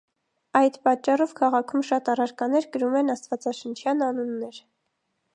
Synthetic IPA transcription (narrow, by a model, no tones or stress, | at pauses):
ɑjd̪pɑt͡ʃːɑrɔvkʰɑʁɑkʰumʃɑt̪ɑrɑɾkɑnɛɾkəɾumɛnɑst̪vɑt͡sɑʃənt͡ʃʰjɑnɑnunːɛɾ